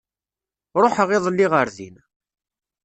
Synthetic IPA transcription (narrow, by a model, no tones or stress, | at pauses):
ɾˤoħəʁɪðˤəlːiʁəɾðḭn